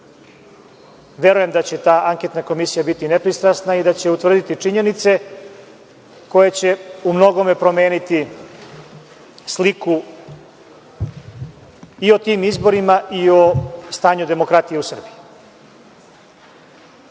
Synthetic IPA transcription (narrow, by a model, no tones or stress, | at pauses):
ʋje̞ɾuje̞md̪at͡ɕe̞t̪aːʔaŋke̞t̪nako̞misijabit̪ine̞pɾist̪ɾasnaid̪at͡ɕe̞ut̪ʋr̩d̪it̪it͡ʂiɲe̞nit̪se̞ | ko̞jet͡ɕe̞umno̞ɡo̞me̞pɾo̞me̞ːnit̪i | sliku | io̞t̪iːmizbo̞ɾimaʔiost̪aːɲud̪e̞mo̞kɾat̪ije̞usr̩biji